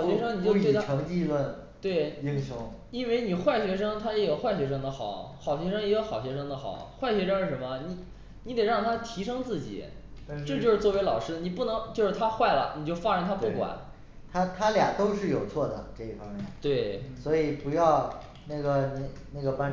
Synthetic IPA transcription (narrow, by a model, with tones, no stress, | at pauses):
ɑ˨˩ʊɕɛ˧˥ʂɤ˥ŋni˨˩t͡ɕjo˥˧ʊ˥˧˩ʈ͡ʂʰɤ˧˥ŋt͡ɕi˥˧lwə˥˩n | t̪we˥˩ɪi˥ŋʂʊ˥ŋ | i˥nwe˥˩ɪni˨˩xwa˥˩ɪɕɥɛ˧˥ʂɤ˥ŋt̪ʰa˥jɛ˧˥jxwa˥˩ɪɕɥɛ˧˥ʂ̬ɤ˥ŋd̪ə˨xɑ˨˩˦ʊxɑ˨˩ʊɕɥɛ˧˥ʂɤ˥ŋi˧˥ɡə˧xɑ˨˩ɕɥɛ˧˥ʂɤ˥ŋd̪ə˨xɑ̰˨˩˦ʊxwa˥˩ɪɕɥɛ˧˥ʂɤ˥ŋʂɻ̩˥˩ʂə˧˥nmə˧ni˧˩˥ | ni˧˥t̪e˨˩ɪɻɑ˥˩ŋt̪ʰa˥t̪ʰi˧˥ʂɤ˥ŋt͡sɹ̩˥˩t͡ɕḭ˨˩˦ | ʈ͡ʂʈ͡ʂɤ˥˧t͡ɕjo˥˧ʊʂɻ̩˥t͡swɔ˥˩we˥ɪlɑ˨˩ʊʂɻ̩˥d̪ni˨˩pu˥˩nɤ˧˥ŋt͡ɕjo˥˧ʊʂɻ̩˥˩t̪ʰa˥xwa˥˩ɪlə̰˩ni˨˩t͡ɕjo˥˧ʊfa˥ɻə˧˥ŋt̪ʰa˥pu˥˩kwa̰˨˩˦n | t̪ʰa˥t̪ʰa˥lja̰˨˩t̪o˥ʊʂɻ̩˥˩jo˨˩ʊt͡sʰwɔ˥˩d̪ə̰˩ʈ͡ʂɤ˥˧i˥˩fɑ˥ŋmjɛ̰˥˩nt̪we˥˩ɪswɔ˧˥i˨˩pu˧˥jɑ˥˧ʊ | na˥˩ɡə˩ni˨˩na˥˩ɡə˩pa˥n